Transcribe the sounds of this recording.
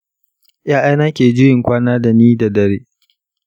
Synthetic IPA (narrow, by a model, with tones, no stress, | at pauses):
jaː˦ʔa˦jnaː˦kʲeː˨d͡ʒʊ˦jɪ˨ŋkʷaː˦naː˦da˨niː˦da˨dɐ˨ɾeː˦